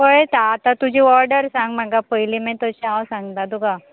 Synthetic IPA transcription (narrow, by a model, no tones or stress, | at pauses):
pəɭet̪aːt̪at̪ud͡ʑʱiːɔɾɖəɾsãŋɡm̤aɡapəjlimɛ̃t̪əɕiawsãŋɡd̪ad̪uɡa